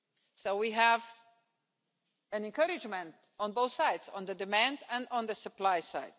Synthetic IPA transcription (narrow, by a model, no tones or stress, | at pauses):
soʊwiɦæv | ɨ̃nɛ̃nkʌɾɪd͡ʒmɛ̃nt | ɔ̃nboʊθsaɪdzɔ̃nðədɨmæ̃ndæ̃ndɔ̃nðəsɨplaɪsa̰ɪd̚